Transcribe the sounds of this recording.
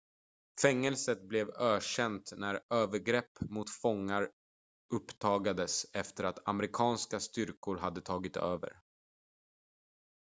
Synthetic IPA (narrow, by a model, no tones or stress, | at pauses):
fɛŋːɛlsət̪̚blɛvøːʂɛnt̪næɾøːvəɾɡɾɛpːmʊt̪fɔŋːaɾ | ɵpːt̪ʰɑːɡad̪əsɛft̪əɾat̪a̰mɛɾɪkʰɑːnskast̪ʏɾkʊɾɦad̪ːət̪ʰɑːɡɪt̪øːvə̰ɾ